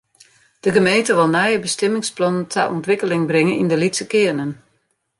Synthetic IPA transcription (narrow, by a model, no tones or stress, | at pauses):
d̥əɣəmejntəʋɪlˠnɛjəbəstɛmɪŋsplɔnəntʰɛ̰ʔɔ̰ntʋɪkəlɪŋbrɪŋənindəlitsəkɪənən